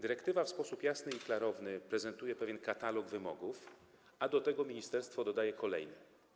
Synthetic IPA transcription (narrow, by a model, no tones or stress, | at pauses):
d̪ɘɾɛkt̪ɘvafspɔsupjasnɘiklaɾɔvnɘpɾɛzɛnt̪ujɛpɛvʲjɛnkat̪alɔɡvɘmɔ̰ɡuf | ad̪ɔt̪ɛɡɔmʲiɲist̪ɛɾst̪fɔd̪ɔd̪ajɛkʰɔlɛ̰jnɛ